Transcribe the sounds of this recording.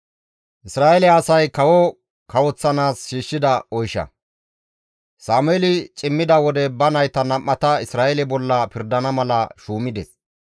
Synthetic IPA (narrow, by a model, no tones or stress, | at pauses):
ʔɪsɾaːɛlɛɐsɐjkɐwɔ | kɐwɔt͡sːɐnaːsʃiːʃːɪd̪ɐɔjʃɐ̰ | saːmʊɛːlɪt͡ʃʼɪmːɪd̪ɐwɔd̪ɛbɐnɐjt̪ɐnɐmːɐt̪ɐɪsɾaːʔɛlɛbɔlːɐpɪɾd̪ɐnɐmɐlɐ̰ʃuːmɪd̪ɛs